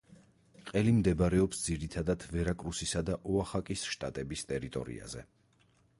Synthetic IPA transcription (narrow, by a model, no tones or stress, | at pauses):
qʼɛlimd̪ɛbɾɛɔpsd̪ziɾit̪ʰad̪ad̪ʰvɛɾakʼɾusisad̪aʔɔaχakʼisʃt̪ʼat̪ʼɛbist̪ʼɛɾit̪ʼɔ̰ɾḭa̰zɛ